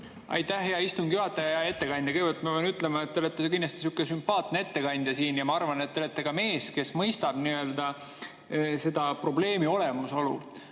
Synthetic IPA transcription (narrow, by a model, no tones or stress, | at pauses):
ɑ̰jt̪ːæhɦeɑist̪umɡ̥juɑt̪ːˑɑjɑjɑe̞t̪ːe̞kɑnʲd̪̥ʲɑkɯjɡvelt̪mɑenyt̪ːˑlemɑet̪ːelet̪ːˑekind̪ɑst̪i̥sukːˑesympɑːt̪nee̞t̪ːe̞kɑnʲd̪jɑsiːnjɑmɑɑrvɑnet̪ːelet̪ːˑeɡ̥ɑme̞ːske̞smɤjst̪ɑb̥niø̞ld̪ɑ | se̞d̪̥ɑpro̞ble̞ːmio̞le̞muso̞lṵ